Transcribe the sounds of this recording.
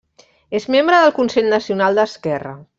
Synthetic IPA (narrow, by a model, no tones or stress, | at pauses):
ezmembɾəðəlˠkunseʎnəsiunalˠd̪əskɛrə̰